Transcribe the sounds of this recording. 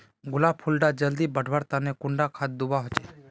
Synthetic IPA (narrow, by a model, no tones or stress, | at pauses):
ɡʊlabpʰʊlɖad͡ʒəld̪ibəɖʱʋaɾt̪anekʊɳɖakʰat̪̚d̪ʊbaɦot͡ʃe